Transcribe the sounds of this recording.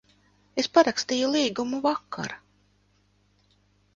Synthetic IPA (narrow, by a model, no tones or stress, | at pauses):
espaɾakst̪iːjulˠiːɡumuvakʰːa̰ɾa